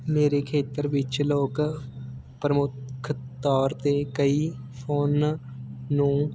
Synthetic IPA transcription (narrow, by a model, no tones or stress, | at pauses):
meːɾekʰeːt̪əɾʋɪt͡ʃloːk | pɾəmʊkʰt̪ɔːɾt̪ekəi | pʰoːnː | ũː